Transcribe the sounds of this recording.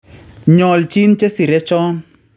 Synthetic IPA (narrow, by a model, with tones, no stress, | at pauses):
ɲɔ˨lt͡ʃi˦nt͡ʃe˦si˨ɾɛ˦t͡ʃɔ˦n